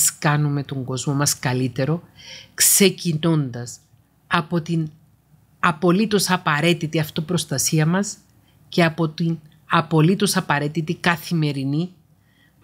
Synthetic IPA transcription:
skɐnumet̪o̞ŋɡo̞zmo̞mɐskɐlit̪e̞ɾo̞kse̞cino̞nd̪ɐs | ɐpo̞t̪in | ɐpo̞lit̪o̞sɐpɐɾe̞t̪it̪iɐft̪opɾo̞st̪ɐsiɐmɐs | ce̞ɐpo̞t̪in | ɐpo̞lit̪o̞sɐpɐɾe̞t̪it̪ikɐθime̞ɾini

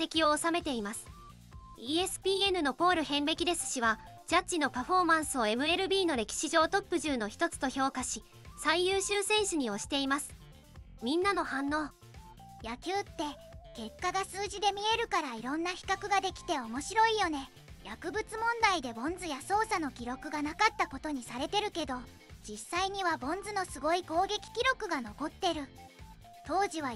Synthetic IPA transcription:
t̪e̞kʲio̞ːsame̞t̪e̞imasɨ̥ | ie̞sɨ̥pʲiːe̞nɯ̟no̞po̞ːɾɯ̟hẽ̞mbe̞kʲid̪e̞sɨ̥ɕiβa | d͡ʑ̥at͡ɕːino̞paɸo̞ːmãɰ̃sɨo̞e̞mɯ̟e̞ɾɯ̟bʲiːno̞ɾe̞kʲi̥ɕiʑo̞ːt̪o̞pːɯ̟ʑɨːno̞çi̥t̪o̞t͡sɨ̥t̪o̞ço̞ːkaɕi | saijɯːɕɨːsẽ̞ɰ̃ɕɨɲ̟io̞ɕi̥t̪e̞imasɨ̥ | mʲĩnːano̞hãnːoː | jakʲɨːt̪ːe̞ | ke̞kːaɡasɨːʑid̪e̞mʲie̞ɾɯ̟kaɾaiɾõ̞nːaçi̥kakɯ̟ɡad̪e̞kʲi̥t̪e̞o̞mo̞ɕiɾo̞ijo̞ne̞ | jakɯ̟bɯ̟t͡sɨmõ̞nd̪aid̪e̞bõ̞nd͡zɨjaso̞ːsano̞kʲiɾo̞kɯ̟ɡanakat̪ːako̞t̪o̞ɲ̟isaɾe̞t̪e̞ɾɯ̟ke̞d̪o̞ | d͡ʑisːaiɲ̟iβabõ̞nd͡zɨno̞sɨɡo̞iko̞ːɡe̞kʲi̥kʲiɾo̞kɯ̟ɡano̞ko̞t̪ːe̞ɾɯ̟ | t̪o̞ːʑiβ̞a

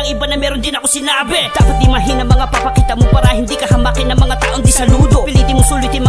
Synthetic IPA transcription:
ɐŋʔɪbanɐmɛːɾond̪ɪnɐkosɪnaːbɪt̪aːʔot̪̚d̪ɪmaɦɪnɐŋmɐŋapɐpɐkit̪ɐmopaːɾɐhɪnd̪ikɐɦɐmakɪnːɐŋmɐŋat̪a̰ːʔod̪isɐluːd̪opɪlid̪ɪmʊsuːlʊjt̪ɪmɐ

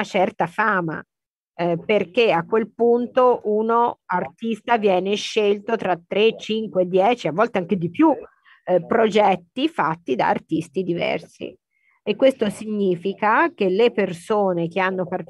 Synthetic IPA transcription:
at͡ʃɛrt̪afaːma̰ | perk̟eakːwelpunt̪oʔunoart̪ist̪avjɛːneʃːelt̪ot̪ɾat̪ːɾet͡ʃiŋkweːd̪ːjɛːt͡ʃiavːɔlt̪eaŋk̟ed̪ipju | pːɾod͡ʒɛt̪ːifat̪ːid̪a̰ːrt̪ist̪id̪ivɛ̰rsḭ | ekːwest̪osiɲːiːfikak̟elepersoːnek̟eanːopar

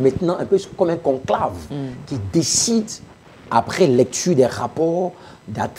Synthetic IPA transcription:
mɛ̃t̪nɑ̃ɛ̃pøkɔmɛ̃kɔ̃klavkʲid̪esid̪ | apχɛlɛk̚t̪yʁd̪ɛʁapɔʁ | d̪at̪

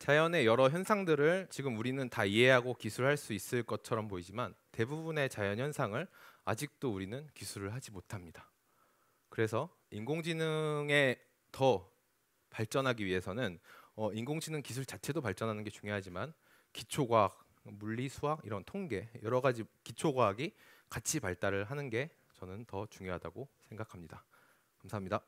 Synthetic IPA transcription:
t͡ɕajʌne̞jʌɾʌçjʌnsʰaŋdɯɾɯɭt͡ɕiɡɯmuɾinɯntaiɦe̞ɦaɡokisʰuɾɯɭɦaɭs͈uis͈ɯɭk͈ʌt͡ɕʰʌɾʌmpoid͡ʑimante̞bubune̞t͡ɕajʌnɦjʌnsʰaŋɯɭa̰d͡ʑik̚t͈ouɾinɯnkisʰuɾɯɭɦad͡ʑimotʰamɲid̥ḁ | kɯɾe̞sʰʌ | iŋɡoŋd͡ʑinɯŋe̞ | tʌ | paɭt͡ɕ͈ʌnɦaɡiɥiɦe̞sʰʌnɯnʌinɡoŋd͡ʑinɯŋkisʰuɭt͡ɕat͡ɕʰe̞dopaɭt͡ɕ͈ʌnɦanɯnɡe̞t͡ɕuŋjoɦad͡ʑiman | kit͡ɕʰoɡwak̚ | muɭːisʰuɦaɡiɾʌntʰoŋɡe̞jʌɾʌɡad͡ʑikit͡ɕʰoɡwaɦaɡikat͡ɕʰipaɭt͈aɾɯɭɦanɯnɡe̞ | t͡ɕʌnɯntʌt͡ɕuŋjoɦada̰ɡosʰeŋɡakʰamɲida | kamsʰaɦːmɲida

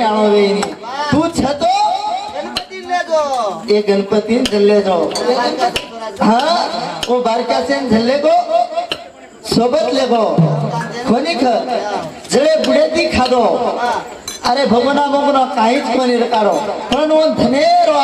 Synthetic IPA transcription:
aʋõʋeniː | t̪ũːt͡ʃʰət̪oː | eɡənpət̪ind͡ʒʱəlːed͡ʒoː | ɦã | õːbaːɾkaːsend͡ʒʱəlːeːk̪o | soːbət̪leːɡo | kʰonikʰə | d͡ʒəɭebuɽet̪ikʰad̪o | əɾebʱəɡənãbʱəʋnãkãɦĩt͡ʃkoniɾəkaːɾopəɾɳõnd̪ʱəneɾo

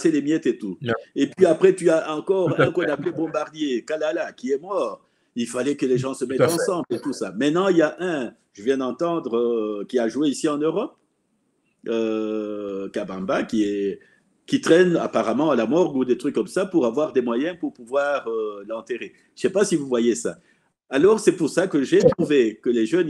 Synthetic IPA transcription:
selemjɛt̪et̪uepɥiapχɛt̪yaɑ̃kɔʁɛ̃kɔ̃naplɛbɔ̃baʁd̪jekalalakʲiɛmɔʁ | ilfalɛkəleʒɑ̃səmɛt̪ɑ̃sɑ̃blet̪usamɛ̃t̪nɑ̃iljaʔɛ̃ | ʒ̥əvjɛ̃d̪ɑ̃t̪ɑ̃d̪ʁøkʲiaʒuweisiɑ̃nøʁɔp | ø | kabɑ̃bakʲiɛ | kʲit̪χɛna̰paʁamɑ̃alamɔʁɡud̪et̪χykːɔmsapuʁavwaʁd̪ɛmwajɛ̃puʁpuvwaʁølɑ̃t̪eʁe̥ | ʃɛpasivuvwajesa̰ː | lɔʁsɛpuʁsakəʒet̪χuvekəleʒœn

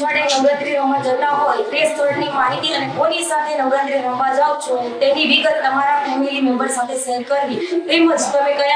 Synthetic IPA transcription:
aɽenəwɾãt̪ɾiɾəmãd͡ʒət̪aɦojpɾest̪ʰəɾʈnimaɦit̪iənekonisat̪ʰenəwɾãt̪ɾiɾəɦmãd͡ʒawt͡ʃʰot̪eniʋiɡət̪ːəmaɾafɛmilimɛmbəɾsat̪ʰeselkəɾʋipɾiməd͡ʒt̪əmekəja

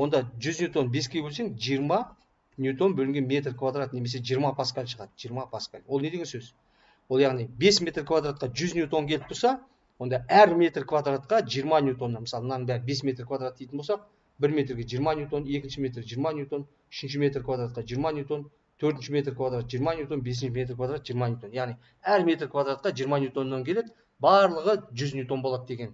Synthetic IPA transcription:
wo̞nd̪ɑʒʏznjut̪o̞nbe̞skʲʰeebɵlse̞ŋɪzʒijəɾmɑ | nʲjut̪o̞nbɵlɪŋɡʲe̞nmʲe̞t̪rkʰvad̪rat̪ne̞me̞s̬e̞ʒijəɾmɑpʰaskalʲʃəʁɑd̪əʒijɾmɑpʰaska̰lʲwolˠne̞d̪eɡʲensɵz̥ | wo̞lˠjɑʁnijbe̞smʲe̞t̪rkʰvad̪ɾat̪̚qɑʒʏznjut̪o̞ŋkʲelɪp̚b̥ʰolsɑ | wo̞nd̪ɑæɾmʲe̞t̪rkʰvad̪ɾat̪̚qɑʒijəɾmɑnʲjut̪o̞nːɑməsɑlˠənɑbæɾɪbe̞smʲe̞t̪rkʰvad̪ɾat̪d̪̥ːej̪ənbosɑq̚ | bɪɾme̞t̪ɾɡʲeʒijəɾmɑnʲjut̪o̞ne̞kʲɪnʃɪme̞t̪rʒijəɾmɑnʲjut̪ʰo̞n | ʏʃɪnʃɪme̞t̪rkʰvad̪ɾat̪̚qɑʒijəɾmɑnʲjut̪ʰo̞n | t̪ʰɵɾt̪ɪnʃɪme̞t̪rkvad̪ɾat̪̚ʒijɾmɑnʲjut̪o̞nbe̞sɪnʃɪme̞t̪rkvad̪ɾat̪ʒijəɾmɑnʲjut̪ʰo̞njɑʁnij | æɾme̞t̪rkʰvad̪ɾat̪̚qɑʒijəɾmɑnʲjut̪ʰo̞nːɑŋkʲe̞le̞d̪ɪ | bɑɾlˠəʁəʒʏznjut̪onbo̞lˠɑd̪d̪e̞ɡʲe̞n

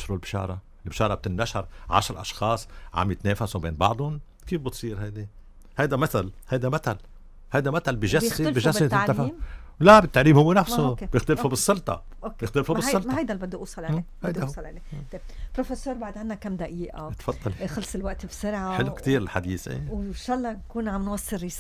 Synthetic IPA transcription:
ʃɾulbʃɑ̰ːɾˤɑ | ɪlbʃɑːɾˤɑb̚t̪ɪnːaʃɑɾˤʕa̰ʃɾʔɑ̰ʃxɑːsˤʕa̰mjɪt̪neːfasubḛːnbɑʕd̪ˤʊn | kiːfbɨt̪sˤiːɾhajd̪i | hajd̪amat̪alhajd̪amat̪al | hajd̪amat̪albɪʒasbɪʒast̪afawlabɪt̪ːaʕliːmhʊwːenafssubjɪxt̪ɪlfubɨsˤːɑlt̪ˤɑ̰ʔokːjɪxt̪ɪlfumbɪsːɑlmahajd̪albɪd̪ːuʔuːsˤɑlʕehajd̪asˤɑlʕʕlet̪eb̚pɾofesøːɾbaʕd̪ʕanːakamd̪aʔiːʔat̪fɑd̪ˤːɑlixɑlsˤɪlwaʔt̪bsʊɾʕaħɪlːukt̪iːɾɪlħad̪iːsʔḛwʃɑlːɑnkuːnʕamːɪnwasːɪɾːis

